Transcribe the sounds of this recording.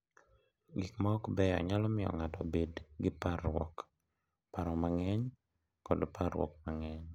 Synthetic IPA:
ɡikmɔɔkbɛa̰ɲalɔmɪɔ̰ŋatɔ̰bedɡɪparwɔk | paɾɔmaŋɛɲ | kɔdpʰaɾwɔ̰k̚maŋɛɲ

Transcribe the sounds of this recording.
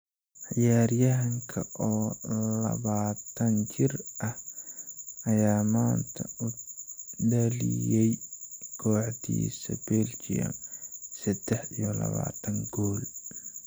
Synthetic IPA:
ʕɪjaːrjɐɦɐŋkʰɐʔɔːlɐ̰βaːt̪ʰɐnt͡ʃɪrʔɐh | ɐjaːmaːnt̪ʰɐʊ | ɖɐlijɛjkʰɔːʕd̪ḭːsɐ̰bɛlt͡ʃɪjɐ̰msɛd̪̥ɛħijɔlɐβa̰ːt̪ʰɐŋɡɔːl

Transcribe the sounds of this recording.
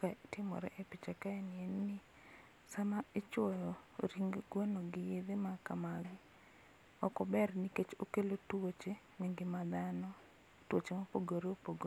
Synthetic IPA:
katɪmɔ̰ɾɛ̰ʔepit͡ʃakaɛnɪennɪ | samaet͡ʃwɔjɔɾiŋɡɡwonoɡɪjed̪emakamalɪ | ɔkɔbɛrniket͡ʃokelotwot͡ʃe | neŋɡɪmad̪anɔ | twot͡ʃemopoɡoɾeopoɡo

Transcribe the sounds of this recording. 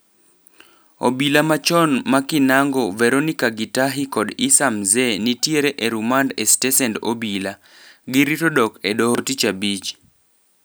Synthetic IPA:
o̰bilamat͡ʃɔnmakinaŋɡɔvɛɾonikaɡitaɦikɔdisamzɛnitjeɾeʔeɾumandɛstɛsɛndo̰bila | ɡɪɾitɔdɔkɛdɔɦotit͡ʃabit͡ʃ

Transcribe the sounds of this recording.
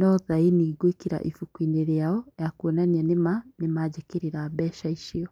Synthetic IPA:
nɔðainiːɡwekiɾa̰ʔifukwineɾeaɔjakonanianemanemad͡ʑekeɾiɾaːbɛːʃaiʃiɔ

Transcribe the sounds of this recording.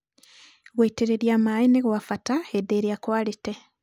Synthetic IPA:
ɣweiteɾeɾjaːmaːineɣwafataedeːɾjakwaːlite

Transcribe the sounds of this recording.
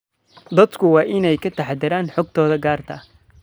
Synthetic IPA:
d̪ɐd̪kʰʊwɑːʔɪnɛjkʰɐt̪ʰɐħd̪ɪɾaːnħɔɡ̚t̪ʰɔːðɐɡaːrt̪ʰɐ

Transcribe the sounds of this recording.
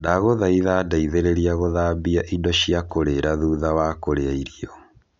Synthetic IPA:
naɣoðaiðadaiðeɾeɾiaɣoðaːbiaʔidɔʃiakoɾeɾaðuːðawakoɾeaiɾiɔ

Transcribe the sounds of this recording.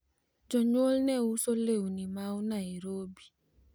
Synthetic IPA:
d͡ʒɔɲwolnɛusoleunimawunaiɾobi̥

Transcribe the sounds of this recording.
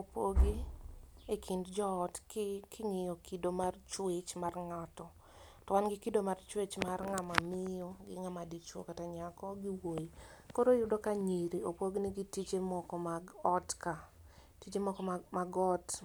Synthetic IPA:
opoɡi | ekʰindd͡ʒɔːtkɪkʰɪŋɪjɔkidomart͡ʃwet͡ʃmarŋatɔ | tɔwanɡɪkidomart͡ʃwet͡ʃmarŋamamɪjɔɡɪ̰ŋamadit͡ʃwɔ̰kataɲakɔɡiwojikoɾojʊdokaɲiɾiopoɡniɡitit͡ʃemɔkɔmaɔtka | tit͡ʃemɔkɔmmaɡɔt

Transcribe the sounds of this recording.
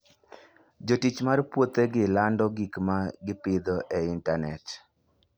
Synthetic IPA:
d͡ʒotit͡ʃmarpwot̪eɡɪlandɔɡikmaɡɪpɪd̪ɔʔɛɪntanɛt

